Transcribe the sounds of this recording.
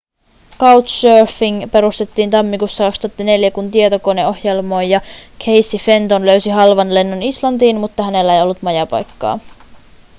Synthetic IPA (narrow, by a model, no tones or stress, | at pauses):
kɑwt̪søːrfiŋpe̞ɾust̪e̞t̪ːiːnt̪ɑmːikusːɑkɑkst̪uɑt̪ːɑne̞ljækunt̪iet̪o̞ko̞neo̞hjelmo̞ːjjɑkʰe̞jsːife̞nt̪o̞nlø̞ɥsiɦɑlʋɑnle̞nːonislɑnt̪iːnmut̪ːɑɦæne̞lːæe̞jo̞lːut̪mɑjɑpɑ̰jkːɑ̰ː